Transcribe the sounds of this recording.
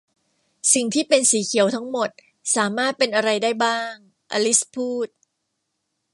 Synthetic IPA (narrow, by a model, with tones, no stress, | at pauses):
si˨˩ŋt̪ʰiː˥˩pe˧nsiː˩˦kʰi˩˦əwt̪ʰa˦˥ŋmo˨˩t̪̚ | saː˩˦maː˥˩t̪̚pe˧nʔa˧ɾa˧jdaː˥˩jbaː˥˩ŋ | ʔa̰˧li˦˥spʰuː˥˩t̪̚